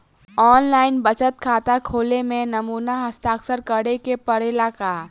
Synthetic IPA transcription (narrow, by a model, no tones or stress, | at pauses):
ɔːnlaːɪnbət͡ʃət̪̚kʰaːt̪akʰoːlemẽnɐmuːnaɦɐst̪aːksəɾkəɽekepɐɾelakaː